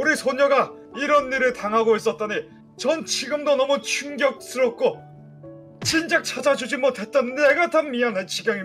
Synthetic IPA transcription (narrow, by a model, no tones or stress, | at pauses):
uɾisʰoɲʌɡa | iɾʌnːiɾɯɭtaŋɦaɡois͈ʌt̚t͈ani | t͡ɕʌnt͡ɕʰiɡɯmdonʌmut͡ɕʰuŋɡjʌk̚s͈ɯɾʌt̚k͈o | t͡ɕʰind͡ʑak̚t͡ɕʰad͡ʑad͡ʑud͡ʑimʌte̞t̚t͈anneɡatʰanmianant͡ɕʰiɡaŋi